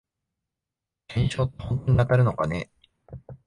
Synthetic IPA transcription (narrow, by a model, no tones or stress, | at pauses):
ẽɲ̃ɕo̞ːt̪ːo̥hõ̞nt̪o̞ɲ̟iat̪aɾɯ̟no̞kane̞